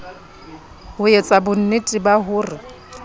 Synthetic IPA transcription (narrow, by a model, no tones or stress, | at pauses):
hʊjet͡sʼabʊn̩nɪtʼɪbaɦʊːrɪ